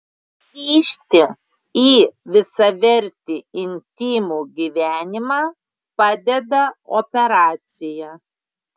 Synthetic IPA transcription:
iːʃʲt̪ʲɪ | iːʋʲɪsɐʋʲɛɾʲt̪ʲiːɪnʲt̪ʲiːmuːɡʲiːʋʲæːnʲɪmɑː | pɑːd̪ʲɛd̪ɐɔpʲɛɾɑːt̪sʲɪjɛ

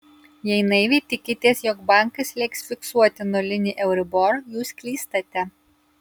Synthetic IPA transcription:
jɛɪnɐɪʋʲɛːt̪ʲɪkʲɪt̪ʲiɛsjoːkbɑˑŋkɐslʲɛɪksfʲɪksuɔt̪ʲɪnolʲɪnʲiʔɛʊɾʲɪbɔɾjuːskʲlʲiːst̪ɐt̪ʲɛ

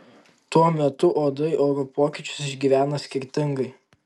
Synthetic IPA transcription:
t̪uɔmʲɛt̪ʊʔoːd̪ɐɪʔɐʊɾopoːkʲɪt͡ʃʲʊ̥sɪʒʲɡʲiːʋʲæːnɐsʲkʲɪɾʲt̪ʲɪŋɡɐɪ

